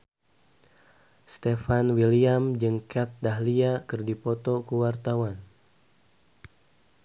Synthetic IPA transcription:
st̪efanwiliamd͡ʒɨŋkɛt̪̚daɦliakɨrdipɔt̪ɔkuwart̪awan

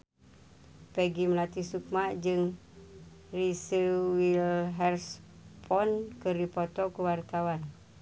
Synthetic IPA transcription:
pəɡiməlat̪isuk̚maʔd͡ʒɨŋ | risəwilɦɛrspʰɔnkəɾipɔt̪ɔkuwart̪awan

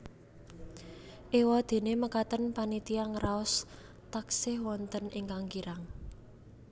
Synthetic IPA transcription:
ʔewad̪̥e̤neməkat̪ənpanit̪iaŋraɔs | t̪aksɪhwɔnt̪ənɪŋkaŋkiɾaŋ

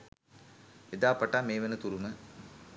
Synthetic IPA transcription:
ʋed̪aːpaʈaːmeːʋenət̪uɾumə

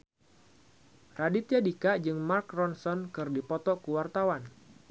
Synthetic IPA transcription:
radit̪iadikaʔd͡ʒɨŋmarkrɔnsɔnkɨrdipɔt̪ɔkuwart̪awan

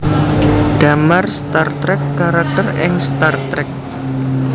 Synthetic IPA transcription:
ɖ̥amarst̪art̪ɾɛkːaɾak̚t̪ərɪŋst̪art̪ɾɛk̚

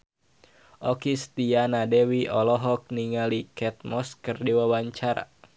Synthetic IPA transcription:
ʔɔkist̪ianadɛwiʔɔlɔɦɔk̚niŋalikɛt̪̚mɔskɨrdiwawaɲt͡ʃaɾa̰

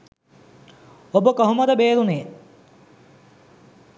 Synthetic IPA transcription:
obəkoɦumɐd̪əbeːɾuneː

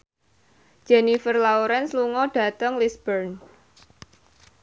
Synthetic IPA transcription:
d͡ʒ̥ɛnifərlauɾɛnsluŋɔɖ̥ä̤t̪əŋlisbərn

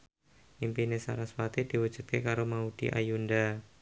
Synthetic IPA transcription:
ʔimpinesa̰ɾaswat̪id̥iwu̥ʒ̥ṳt̪̚kekaɾomaud̥ḭʔa̰junda

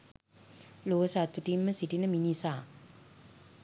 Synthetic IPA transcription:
loʋəsat̪ːuʈimːəsiʈinəminisaː

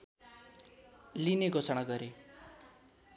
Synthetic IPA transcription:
lineɡʱot͡sʌɽ̃aɡʌɾe

